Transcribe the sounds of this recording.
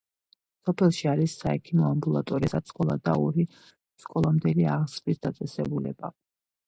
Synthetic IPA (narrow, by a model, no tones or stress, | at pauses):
sɔpʰɛlˠʃiaɾisːaɛkʰimɔambulˠat̪ʼɔɾisaskʼɔlˠad̪a̰ɔɾi | skʼɔlˠamd̪ɛliaʁsvisd̪at̪sʼɛsɛbulɛba̰